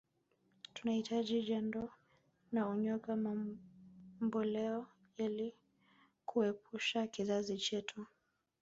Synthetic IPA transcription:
tunahitʰaʄiʄandɔ | nauɲɔkama | mbɔlɛɔ | jali | kʰuɛpuʃakizazit͡ʃɛtʰu

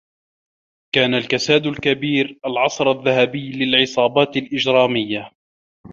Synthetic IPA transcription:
kaːnalkasaːd̪ʊlkabiːɾʔalʕɑsˤɾaðːaɦabɪjːlɪlʕɪsˤɑːbɑːt̪alʔɪd͡ʒɾɑːmɪjːa

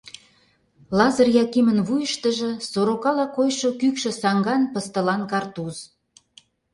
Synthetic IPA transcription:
lɑzərjɑkimənβujəʃt̪əʒə̆soɾokɑlɑkojʃokykʃə̆sɑŋɡɑnpə̆st̪ə̆lɑnkɑrt̪uz̥

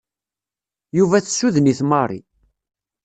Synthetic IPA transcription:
juvæθsuðəniθmɑrˤḭ

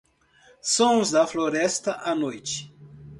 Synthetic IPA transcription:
sõzd̪ɐfloɾɛst̪ɐʔanojt͡ʃɪ̥

